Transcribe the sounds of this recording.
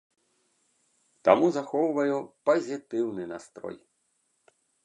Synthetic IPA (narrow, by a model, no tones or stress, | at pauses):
t̪amuzɐxɔwvɐjupɐzʲit̪ɪwnɪnast̪ɾɔ̰j